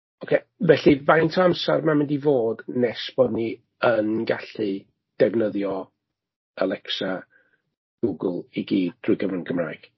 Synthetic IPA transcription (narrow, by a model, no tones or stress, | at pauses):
ɔkʰe | vɛɬivajntʰɔamsarmamɪndivoːdnɛsb̥ɔdni | ənɡaɬɨ | d̥ɛvnəðjɔ | alˠɛksa | ɡ̥uɡəlˠiɡiːd̥̚drʊjɡəvənɡəmra̰ːjɡ̥